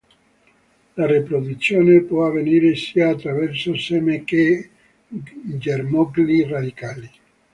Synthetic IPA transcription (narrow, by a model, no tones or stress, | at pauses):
larepɾod̪ut̪sːjoːnepwɔavːeniːɾesiːaːt̪ːɾavɛrsosɛːmeke | d͡ʒermɔɡlirad̪ikaːli